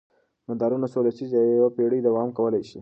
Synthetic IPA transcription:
mand̪ɑɾunasolasizajawapeɽid̪awɑmkawəlajʃi

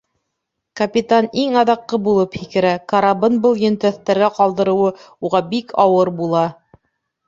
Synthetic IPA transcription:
kɐpʲit̪aniŋɑðɑqːɤbulˠɤphikɘ̆ɾækɐɾabɤnbɤlˠjɵ̆nt̪æθt̪æɾɡæqɑlˠd̪ɤ̆ɾɤ̆wɤ | uʁɑbikʰɑwɤɾbulˠɑ

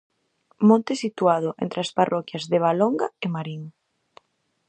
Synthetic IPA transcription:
mõnt̪esit̪uað̞ʊʔḛnt̪ɾɪasparʔɔkjazðeβ̞aloŋɡaemaɾiŋ

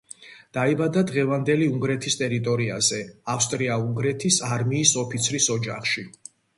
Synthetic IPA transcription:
d̪̥aibad̪ad̪ʁɛvand̪ɛliuŋɡɾɛt̪ʰist̪ʼɛɾit̪ʼɔɾiazɛafst̪ʼɾiauŋɡɾɛt̪ʰisaɾmiːsɔpʰit̪sʰɾisɔd͡ʒa̰χʃi

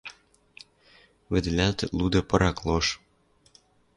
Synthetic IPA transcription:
βɘ̆d̪̆lʲælt̪lud̪ɤ̆pɤ̆ɾɑklˠoʃ

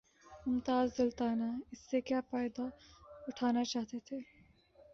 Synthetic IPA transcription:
ʊmt̪aːzːɐlt̪aːnaɪsːekjaːpaːjd̪aʊʈʰaːnat͡ʃaːɦt̪et̪ʰeː

